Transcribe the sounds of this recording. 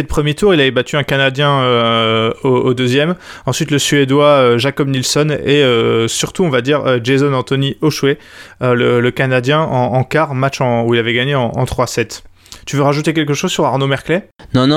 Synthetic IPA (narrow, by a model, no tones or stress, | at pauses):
sɛd̪əpχəmjet̪uʁilavɛbat̪ʰyɛ̃kanad̪jɛ̃ø | ood̪øzjɛmɑ̃sɥit̪ləsyed̪waøʒakɔbnilsɔneøsyʁt̪uɔ̃vad̪iʁøʒezɔnɑ̃t̪ɔnioʃwe | ølələkanad̪jɛ̃ɑ̃ːkaʁmat͡ʃɑ̃uilavɛɡaɲeɑ̃ɑ̰̃t̪χwasɛt̪ | t̪yvøʁaʒut̪ekʲɛlk̬əʃozsyʁaʁnomɛʁklɛnɔ̃nɔ̃